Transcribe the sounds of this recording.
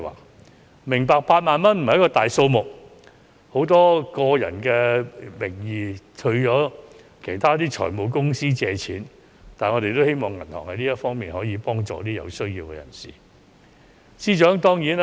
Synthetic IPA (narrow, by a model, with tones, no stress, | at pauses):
wa̰ː˨˩ | mɪ˨˩ŋpaː˧k̚paː˧t̚maː˨nmɐ˥nm̩˨hjkɔː˧t̪aː˨jso˧wmʊ˨˩k̚ | ho˨˥wt̪ɔː˥kɔː˧jɐ̰˨˩nkɛː˧mɪ˨˩ŋjiː˨˧t̪ʰɵ˧ɥjɔː˨˥ | kʰe˨˩jt̪ʰaː˥t̪iː˥t͡ʃʰɔ̰ː˨˩jmo˨˧wkʊ˥ŋsiː˥t͡sɛː˧t͡sʰiː˨˥n | t̪aː˨nŋɔ˨˧ɾe˨jt̪o˥whe˥jmɔː˨ŋɐ˨˩nhɔ̰˨˩ŋhɐ˨˦jniː˥jɐ˥t̚fɔː˥ŋmiː˨nhɔː˨˥jiː˨˧pɔː˥ŋt͡ʃɔ̰ː˨t̪iː˥jɐ̰˧wsɵ˥ɥjiː˧wkɛ̰˧jɐ̰˨˩nsḭː˨ | siː˥t͡ʃœː˨˥ŋt̪ɔː˥ŋjiː˨˥n